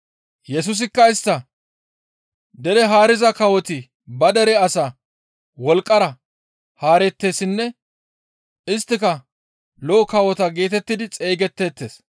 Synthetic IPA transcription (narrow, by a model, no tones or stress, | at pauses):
jɛs̬ʊs̬ɪkːɐɪst̪ːɐ | d̪ɛɾɛɦaːɾɪzɐkɐwɔt̪ɪ | bɐd̪ɛɾɛɐsa | wɔlkʼːɐɾɐ | haːɾɛt̪ːe̞ːsɪnːɛ | ɪst̪ːɪkɐ | lɔːkɐwɔt̪ɐɡe̞ːt̪ɛt̪ːɪd̪ɪt͡sʼeːɡɛt̪ːe̞ːt̪ːe̞ːs